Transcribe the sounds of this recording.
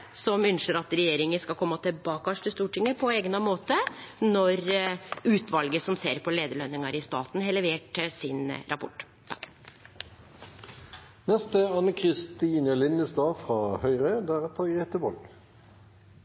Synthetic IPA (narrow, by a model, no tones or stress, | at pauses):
sɔmʏnʃəɾɑt̪ɾɛjeːɾɪŋəskɑlkʰɔmːɑt̪ʰɪbɑːkɑʂt̪ɪst̪uːʈɪŋːəpʰɔeːɡənɑmoːt̪ənɔɾʉːt̪ʰʋɑlɡəsɔmseːɾpʰɔleːd̪əɭœnːɪŋɑɾɪst̪ɑːt̪nhelɛʋeːʈsɪnɾʔɑpʰʊ̰ʈː | t̪ʰɑk | nɛst̪əɑnəkʰʁɪst̪iːnəlɪnəsd̪ɑːfʁɑːhœʏʁøːd̪ææʁɛt̪ʰɑɡʁeːt̪əʋɔl